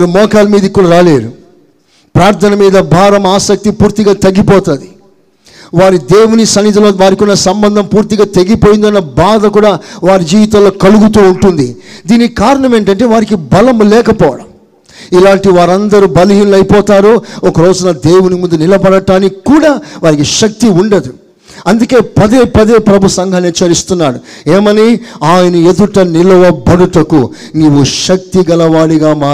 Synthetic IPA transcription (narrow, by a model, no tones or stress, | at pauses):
ɾumɔːkaːlɐmiːd̪ɐkːuːɽɐɾaːle̞ːɾu | pɾaːɾt̪ʰɐnɐmiːd̪ɐbʱaːɾɐmaːsɐk̚t̪ipuːɾt̪iɡaːt̪ɐɡːipɔːt̪aːd̪i | ʋaːɾid̪eːwunisɐnːid̪ɐloːʋaːɾikunːɐsɐmbɐnd̪ʱɐmpuːɾt̪iɡaːt̪e̞ɡipoːjind̪ɐnːɐbaːd̪ɐkuːɽaːʋaːɾid͡ʒiːʋit̪aːlo̞ːkɐluɡut̪uːuɳʈund̪id̪iːnːkaːɾɐɳɐme̞ːɳʈɐɳʈe̞ːʋaːɾikibɐlɐmlɛːkɐpɔːʋɐɽɐm | ilaːɳʈiʋaːɾɐnd̪ɐɾubɐliɦiːnulɐjipɔːt̪aːɾuɔkɐɾoːd͡ʒunɐd̪eːwunimund̪unilɐbɐɽɐʈaːnikːuːɽaːʋaːɾikiʃɐk̚t̪iuɳɖɐd̪u | ɐnd̪uke̞ːpɐd̪eːpɐd̪eːpɾɐbʱusɐŋɡʱɐnit͡ʃːɐɾist̪unːaːɽu | eːmɐniaːjɐnɐed̪uʈɐnilɐʋɐbɐɽuʈɐku | niʋːuʃɐk̚t̪iɡɐlɐʋaːɽiɡaːmaː